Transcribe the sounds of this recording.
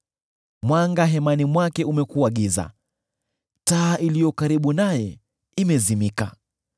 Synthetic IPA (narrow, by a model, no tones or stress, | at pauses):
mwaŋɡaɦɛmanimwakɛumɛkuaɠiza̰ | taːʔilijɔkaɾiɓunajɛ | imɛzimika̰